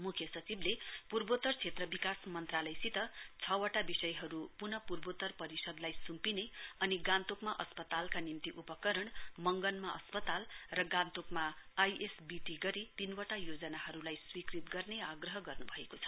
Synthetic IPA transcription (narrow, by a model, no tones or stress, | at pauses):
mukʰjʌsʌt͡siblepurbot̪ʌrt͡sʰet̪rʌbikasmʌnt̪ralʌjsit̪ʌt͡sʰʌwʌʈabisʌjɦʌɾupunʌpurbot̪ʌrpʌɾisʌd̪lajsumpineʌniɡãnt̪okmaʔʌspʌt̪alkanimt̪iʔupʌkʌɾʌɳmʌŋɡʌnmaʔʌspʌt̪alrʌɡãnt̪okmaːjesbiʈiɡʌɾit̪inwʌʈajod͡zʌnahʌɾulajswikrit̪ɡʌrneaɡrʌɦʌɡʌrnubʱʌekot͡sʰʌ̥